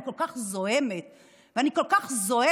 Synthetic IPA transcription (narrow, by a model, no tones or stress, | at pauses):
ikolkaχzohemet̪ | veaniko̞lkaχzo̞e